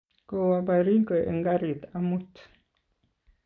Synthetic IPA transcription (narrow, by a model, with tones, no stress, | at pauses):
ko˨wa˨ba˨ɾi˦ŋkʼwe˨ʔe˨ŋɡa˦ɾi˨t̪a˦mu˦t̪ʰ